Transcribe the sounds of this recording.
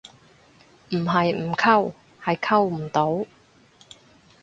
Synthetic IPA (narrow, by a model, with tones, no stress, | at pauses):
m̩˨˩ɦɐ˨jm̩˨˩kʰɐ˥˧w | hɐ˨jkʰɐ˥˧wm̩˨˩t̪o˨˥w